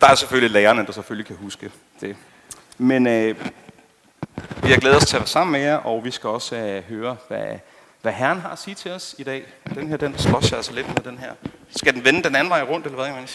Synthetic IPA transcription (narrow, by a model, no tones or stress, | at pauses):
d̥ɑ̈æɐsefølileːɐnəd̥ɑseføllikʰæhusɡ̥ə | d̥e̝ | men | ʋiɑ̈ɡ̥leːð̩ˠɒ̽st͡sʰeæʋæɐsɑ̈m̰n̩mejɑʔɒ̽ʋisɡ̥æɒ̽sɦøːɐʋæ | ʋæɦæɐn̩ɦɑ̈æsiːɐt͡sʰe̝ɒ̽sid̥ɛ̰ː | d̥enɦeɐ̰d̥en̥sɡ̥ʁɒ̽sɑælsɑle̝d̥meðˠd̥enɦæɐ̰sɡ̥æd̥en̩ʋenəd̥enæn̩ʋɑ̈ɪʁɔ̽n̰d̥elɐʋæðˠkʰæmæn